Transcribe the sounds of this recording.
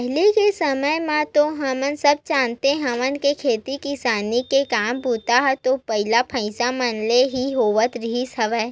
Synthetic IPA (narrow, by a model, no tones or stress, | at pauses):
ɦlikesəməjmãt̪oɦɐmənsɐb̚t͡ʃãːnt̪eɦɐmənkekʰeːt̪ikɪsaːnikekaːmbuːt̪aɦɛt̪opɐɦɪlapʰə̃ɪsamənleɦiɦoːʋət̪ɾɪɦisɐʋɛː